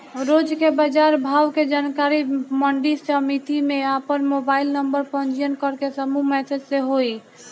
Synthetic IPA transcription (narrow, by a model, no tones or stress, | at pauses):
ɾod͡ʒkebəd͡ʒaɾbʱawked͡ʒankaɾiməɳɖisəmit̪imẽapənmobailnəmbəɾpə̃nd͡ʒijənkəɾkesəmumɛsʰəd͡ʒseɦoi